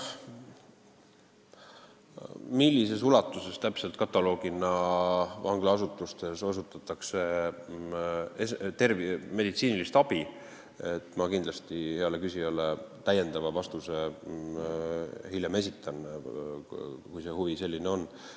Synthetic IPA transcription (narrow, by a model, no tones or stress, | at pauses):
milʲːise̞sulɑt̪ːˑuse̞st̪æpse̞lt̪̚kɑt̪ːˑɑlo̞ːɡ̥inɑvɑŋɡ̥lɑɑsut̪ːˑust̪e̞sosut̪ːˑɑt̪ːˑɑkse̞ | est̪e̞rvime̞d̪it̪siːnilist̪ɑb̥i | et̪ːˑmɑkind̪lɑst̪ihe̞ɑle̞kysiɑlet̪æje̞nd̪ɑvɑvɑst̪use̞ | hilʲjeme̞s̬ʲit̪ʰːˑɑn | kujse̞huvise̞lʲːineo̞nː